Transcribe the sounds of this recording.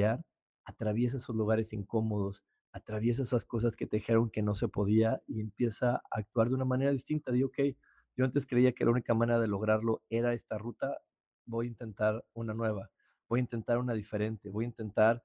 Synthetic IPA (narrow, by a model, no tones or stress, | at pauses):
aɾ | at̪ɾaβje̞s̬aeso̞zluɣ̞aɾe̞siŋko̞mo̞ð̞o̞s | at̪ɾaβje̞s̬aesasko̞s̬aske̞t̪eixe̞ɾo̞ŋke̞no̞se̞po̞ðiaie̞mpje̞saa̰ːk̚t̪waɾðe̞unamane̞ɾaðist̪int̪aðioke̞j | ɟ͡ʝo̞ant̪̬e̞skɾe̞iake̞launikamãne̞ɾað̞e̞lo̞ɣ̞ɾaɾlo̞e̞ɾae̞st̪arut̪a | bo̞jint̪e̞nt̪aɾunanwe̞β̞a | b̥o̞jaint̪e̞nt̪aɾunaðife̞ɾe̞nt̪e̞βo̞jint̪e̞nt̪aɾ